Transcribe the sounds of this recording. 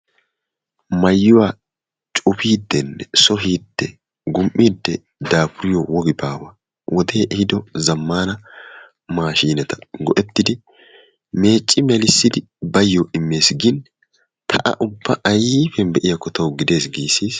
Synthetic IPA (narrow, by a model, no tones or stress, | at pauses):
mɐjːʊwa | t͡ʃʼʊpiːd̪ːɛnːɛsɔɦiːd̪̥ːɛ | ɡʊmʔːiːd̪ːɛ | d̪aːpʊɾɪjɔwɔɡɪbaːwɐ | wɔd̪eːʔɛhɪd̪ɔzɐmːaːnɐ | maːʃiːnɛt̪ɐ̥ɡɔʔɛt̪ːɪd̪ɪ | me̞ːt͡ʃʼːɪmɛlɪsːɪd̪ɪ | bɐjːɔʔɪmːe̞ːsɡɪn | t̪ʰɐʔɐ̰ʔʊbːɐʔɐjifɛnbɛʔɪjɐkɔt̪ʰɐwɡɪd̪e̞ːsɡiːsiːs